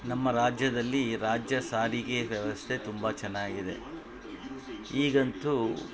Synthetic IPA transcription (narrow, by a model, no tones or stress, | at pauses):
nɐmːɐɾaːd͡ʒjɐd̪ɐlːiɾaːd͡ʒjɐsaːɾiɡe̞ʋjɐʋɐst̪ʰe̞t̪umbɐt͡ʃɛnːaːɡid̪e̞̰ | iːɡɐnt̪u